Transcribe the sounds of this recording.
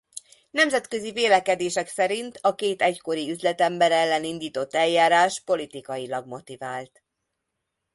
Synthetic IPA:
nɛmzɛt̪kø̞ziveːlɛkɛd̪eːʃɛksɛɾint̪ɒkeːt̪ɛcko̞ɾiyzlɛt̪ɛmbɛɾɛlːɛnind̪iːt̪o̞t̪ːɛljaːɾaːʃpo̞lit̪ikɒjilɒɡmo̞t̪ivaːlt̪

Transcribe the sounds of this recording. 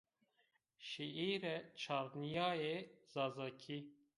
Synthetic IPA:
ʃiʔiːɾɛt͡ʃʰaːɾnijaːjez̥ɑːzɑkʰi

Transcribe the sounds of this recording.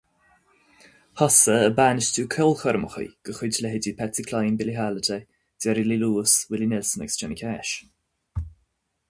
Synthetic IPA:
pʰɔsəəbaːnɪstuːkʰɔlxɔɾəməxə̰ɡ̥əxʊdlɛɦɪdipʰɛt͡sikʰlajnbɪliɦaːlət̪ʰɛ | d̥ɛɾililuːswɪlinɪlsənɛ̰kst͡ʃʰɛnikʰɛːʃ

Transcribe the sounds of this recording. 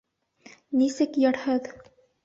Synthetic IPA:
nisɘkjɑɾhɤð

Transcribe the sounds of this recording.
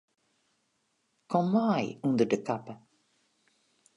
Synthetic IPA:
kʰɔmːaɪɵnd̪əɖəkʰapːə

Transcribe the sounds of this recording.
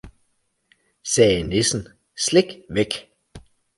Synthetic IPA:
sɛːnesn̩ | sle̝ɡ̥ʋeɡ̥

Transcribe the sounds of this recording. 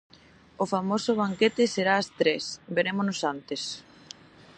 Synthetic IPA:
ʊfamosʊβ̞aŋket̪ɪseɾaːst̪ɾesbeɾemonosant̪es

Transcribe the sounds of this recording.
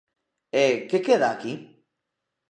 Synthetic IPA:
ekekeðaːki

